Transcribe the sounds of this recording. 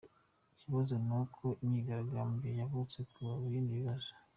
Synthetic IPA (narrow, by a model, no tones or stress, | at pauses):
ciβazonukʰoimɲiɡaɾaɡamɡejaβut͡sekuβaβujiːndiβiβazo̥